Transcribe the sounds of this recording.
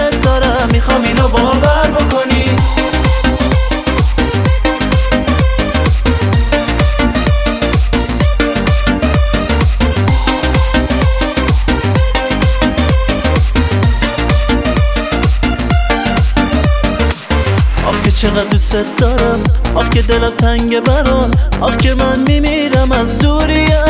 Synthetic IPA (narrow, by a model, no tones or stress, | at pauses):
et̪̚d̪ɔɾamːixɔminɔbɔvaɾbokʰoni | ʔɒ̰fcʰe̞t͡ʃʰeɣæd̪ɾuset̪̚ʰd̪ɒɾæmʔɒfce̞d̪elæmt̪ʰæŋɟebæɾɔnʔɒfcʲʰemænmimiːɾæmæzd̪uɾijæ